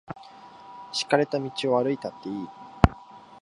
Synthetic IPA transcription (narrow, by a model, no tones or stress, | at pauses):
ɕi̥kaɾe̞t̪amʲit͡ɕio̞βaɾɯ̟it̪at̪ːe̞iː